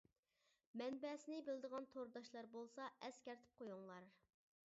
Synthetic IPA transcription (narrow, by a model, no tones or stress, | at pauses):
mɛnbɛsɪnɪbɪld̪əʁɑnt̪ʰoɾd̪ɑʃlˠɑɾbolˠsɑɛskʲɛɾt̪ʰɪ̥p̚qʰojuŋlˠɑɾ